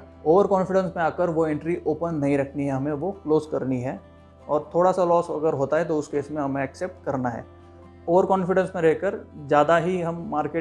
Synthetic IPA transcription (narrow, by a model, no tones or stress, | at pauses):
oːʋəɾkɔ̃ːnfɪɖə̃nsmẽaːkəɾʋoẽɳʈɾiʔoːpənːɐɦĩɾɐkʰniɦɛɦɐmẽʋokloːzkɐɾniɦɛː | ɔːɾt̪ʰoːɽasalɔːsɐ̰ɡəɾɦoːt̪aɦɛt̪oʊskeːsmẽɦɐmẽɛkseːp̚ʈkɐɾnaɦɛ̰ː | oːʋəɾkɔ̃ːnfɪɖə̃nsmẽɾɛɦkəɾd͡ʒjaːd̪aɦiɦɐmːaːɾkeː